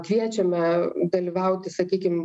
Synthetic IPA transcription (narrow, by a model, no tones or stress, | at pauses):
kʋʲiɛt͡ʃʲɛmʲɛd̪ɐlʲiːʋɐʊt̪ʲɪsɐkʲiːkʲɪm